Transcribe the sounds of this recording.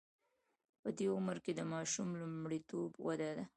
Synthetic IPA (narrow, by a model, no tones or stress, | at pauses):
pəd̪eʊməɾked̪əmɑʃumlumɽit̪obwad̪ad̪a